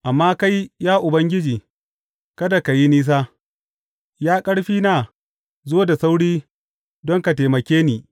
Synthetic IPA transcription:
ʔa˨mːaː˦ka˦jjaː˦ʔʊ˨bɐ˦ŋɡʲɪ˦d͡ʒiː˨ | kɐ˦da˨ka˨ji˦niː˦s̬aː˦ | jaː˦kʼɐ˦ɽɸiː˦na˨ | zoː˦da˨sa˦wɽiː˦ | dɔ˦ŋka˨teː˨mɐ˨kʲeː˦niː˨

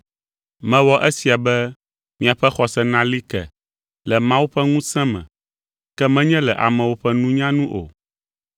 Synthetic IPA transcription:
mɛ̃˦wɔ˦ʔɛ˦si˨a˨bɛ˦ | mĩ˨a˨ɸɛ˦xɔ˨sɛ˦nã˦li˦kɛ̰˨ | lɛ˨mã˦wu˦ɸɛ˦ŋũ˦sɛ̃˦mɛ̰̃˨ | kɛ˦mɛ̃˦ɲɛ̃˦lɛ˨ʔa̰˨mɛ̃˨wo˦ɸɛ˦nũ˦ɲã˦nũ˦ʔo̰˨

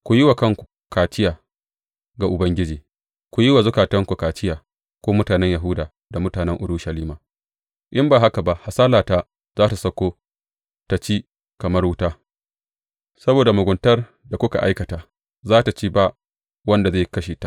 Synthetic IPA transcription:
kʷu˨ji˦wa˨kɐ˦ŋkʷu̥˨ | kaː˨t͡ʃɪ˦jaː˨ | ɡa˨ʔʊ˨bɐ˦ŋɡʲɪ˦d͡ʒiː˨ | kʷu˨ji˦wa˨zʊ˦kaː˨tɐ˦ŋkʷu˨kaː˨t͡ʃɪ˦jaː˨ | kʷoː˦mʊ˦taː˨nɛ˦ɲja˨ɦʊ˦daː˨ | da˨mʊ˦taː˨nɛ˦ŋʔʊ˨ɽuː˦ʃɐ˨liː˦maː˨ | ʔɪ˦mbaː˨ɦa˦ka˨ba˨ʔha˨saː˦laː˨taː˦ | zaː˦ta˨sɐ˦kʷoː˦ | ta˨t͡ʃiː˦ | kɐ˨mɐ˦rwʊ˦taː˦ | sɐ˦boː˨da˨mʊ˨ɡʷʊ˨ntɐ˦r | da˨kʷʊ˦ka̰˨ʔa̰˦jkɐ˨taː˨ | zaː˦ta˨t͡ʃiː˦ba˦ | wɐ˦nda˨zeː˦˨kɐ˦ʃeː˨ta˦ʔ

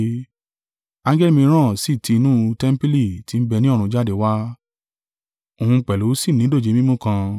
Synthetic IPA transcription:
ã˧˦d͡ʒɛ˦li˦mĩ˧ɾ̃ã˦˨si˦˨ti˧nũ˦tɛ˦m̩˦pi˦li˦˨ti˨˦n̩˦bɛ˧nĩ˦ɔ˦˨ɾũ˧d͡ʒa˦de˨wa˦ | o˨ũ˧k͡pɛ˨lu˨˦si˦˨nĩ˨˦do˦˨d͡ʒe˨˦mĩ˦mũ˦kã˧

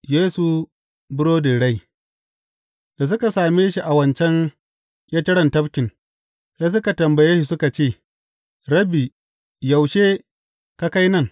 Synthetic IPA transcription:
jeː˦su˨ | bʊ˦ɽoː˦di˨ɽa˦j | da˨s̬ʊ˦ka˨saː˨meː˦ʃi˦ʔa˨wɐ˦nt͡ʃɛ˦ŋ | kʲʼeː˦tɐ˦ɽɐ˨ntɐ˦bkʲɪ˨ŋ | sa˦s̬ʊ˦ka˨tɐ˨mbɐ˨jeː˦ʃi˨sʊ˦ka˨t͡ʃeː˦˨ | ɾɐ˦bi˨ | ja˨wʃeː˦ | ka˦ka˦jnɐ˦ŋ

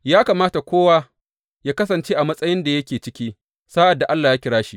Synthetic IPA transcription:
jaː˦kaː˨maː˦ta˨kʷoː˦waː˦ | jaː˦kɐ˦s̬ɐ˨nt͡ʃeː˦ʔa˨mɐ˦sʼɐ˦jɪ˦nda˨jɐ˦kʲeː˨t͡ʃɪ˦kʲiː˦ | saː˦ʔa˨dːa˨ʔa˦lːaː˨jaː˦kʲɪ˦ɽaː˦ʃi˦

